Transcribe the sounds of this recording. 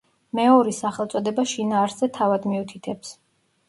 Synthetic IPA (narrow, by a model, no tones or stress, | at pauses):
mɛɔɾisaχɛlˠt̪sʼɔd̪ɛbaʃinaːɾszɛt̪ʰavad̪miut̪ʰit̪ʰɛps